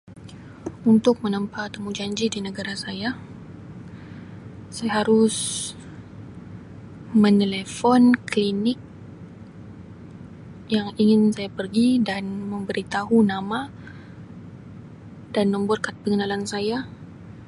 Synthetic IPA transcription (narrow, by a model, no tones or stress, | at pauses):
unt̪ʊk̚mənəmpat̪əmud͡ʒaɲd͡ʒidinəɡaɾasaja | sajaɦaɾʊs | mə̃nelefɔnklinɪk̚ | jaŋiŋɪnsajapərɡidanməmbəɾit̪aɦunama | danməmbat̪̚kat̪̚pəŋənalansaja